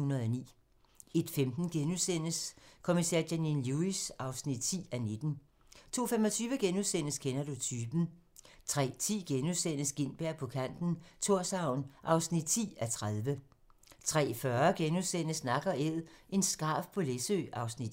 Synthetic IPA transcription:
hunɐð̩ˠɒnḭː | e̝d̥femd̥n̩ɡ̥enusen̰əskʰo̝misḛɐ̰ɡæninluisʔɑ̈ʊsnid̥̚t͡sʰḭːæne̝d̥n̩ | t͡sʰo̝̰ːfemɒ̽t͡sʰyːʋəɡ̥enuðˠsen̰əskʰenɐd̥ut͡sʰyːb̥n̩ | t͡sʰʁɛ̰ːt͡sʰḭːɡ̥enusen̰əsɡ̥e̝n̰b̥æɐ̰pʰɒ̽kʰæn̰d̥n̩t͡sʰo̝ɐ̰sɑ̈ʊ̰nʔɑ̈ʊsnid̥̚t͡sʰḭːæt͡sʰʁaðˠʋə | t͡sʰʁɛ̰ːfɶɐɡ̥enuðˠsen̰əsnɑ̈ɡ̥ɐeð̰ˠʔe̝nsɡ̥ɑ̰̈ːfpʰɒ̽lesø̰ːʔɑ̈ʊsnid̥

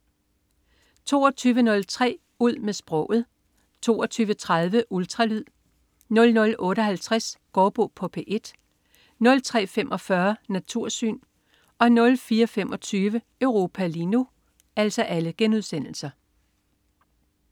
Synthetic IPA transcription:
t͡sʰo̝̰ːɒt͡sʰyːʋənɔ̽lt͡sʰʁɛ̰ː | uð̰ˠmesb̥ʁɔ̽ʊ̰ð̞̩ˠ | t͡sʰo̝̰ːɒt͡sʰyːʋət͡sʰʁað̞ˠʋəʔult͡sʰʁɑ̈lyð̰ˠ | nɔ̽lnɔ̽lʔɔ̽ːɾəɦælt͡sʰʁasɡ̥ɒːb̥ɔːpʰɒ̽pʰeːʔe̝d̥ | nɔ̽lt͡sʰʁɛ̰ːfemʔɒ̽fɶɐnæt͡sʰuɐ̰sy̰ːn | ʔɒ̽nɔ̽lfiːɐfemʔɒ̽t͡sʰyːʋə | øʊʁo̝ːpʰælinu | æl̰sɒ̽ʔæləɡ̥enuðˠsen̰l̩sɐ

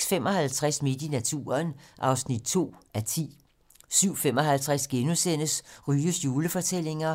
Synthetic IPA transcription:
sfem̰ɒ̽hælt͡sʰʁasme̝d̥inæt͡sʰṵːɐnʔɑ̈ʊsnid̥̚t͡sʰo̝̰ːʔæt͡sʰḭː | syʊ̰fem̰ɒ̽ɦælt͡sʰʁæsɡ̥enusen̰əsʁyːəsjuːləfɒ̽t͡sʰel̰e̝ŋɐ

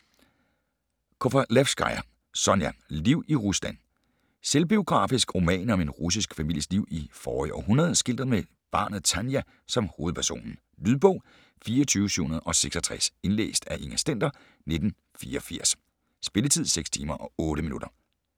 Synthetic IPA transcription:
kʰofælefsɡ̥ɑ̈ɪɐ | sɒ̽njæliʊ̰iʁuslæn̰ | selb̥io̝ɡ̥ʁɑ̰̈ːfisɡ̥ʁo̝mɛ̰ːnɒ̽me̝nʁus̬isɡ̥fæmil̰jəsliʊ̰ifɒːḭʔɒ̰ɦunɐð̞ˠsɡ̥el̰d̥ɐð̩ˠme | b̥ɑ̰̈ːnð̞̩ˠt͡sʰænjæ | sɒ̽mho̝ːð̩ˠpʰæɐso̝̰ːnn̩ | lyðˠb̥ɔ̽ʊ̰ | fiːɐɒt͡sʰyːʊəsy̰hunɐðˠɒ̽seɡ̥sɒ̽t͡sʰʁɛse̝nlḛːsd̥æʔeŋæsd̥en̰d̥ɐ | ne̝d̥n̩ | fiːɐɒfiɐ̰s | sb̥e̝lət͡sʰið̞̰ˠseɡ̥st͡sʰiːmɐʔɒ̽ɔ̽ːɾəminuɾ̥ɐ

